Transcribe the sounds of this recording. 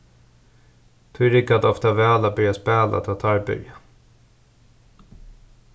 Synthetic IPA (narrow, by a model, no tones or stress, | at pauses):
t̪ʰʏɾɪkad̪ɔft̪avɛːlabœɾjaspeːla̰t̪ʰɑːt̪ʰɑɹbʏ̰ɾja